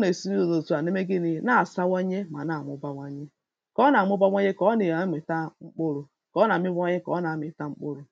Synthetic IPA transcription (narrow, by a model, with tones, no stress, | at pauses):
ne˨si˦ni˦o˨zo˨tu˦˨a˨ne˦me˦ɡi˦ni˦na˦˨sa˦wa˦ɲe˦ma˨na˨mʊ˦ba˦ŋʷa˦ɲe˦ | kɔ˦na˨m˦ʊ˦ba˦ŋʷa˦ɲe˦kɔ˦ni˨˦mi˨ta˦ŋ͡m̩˦k͡po˦ɾu˨ | kɔ˨˦na˨m˦i˦bɲe˦kɔ̰˨˦na˨˦mi˨ta˦ŋ͡m̩˦k͡po˦ɾu˨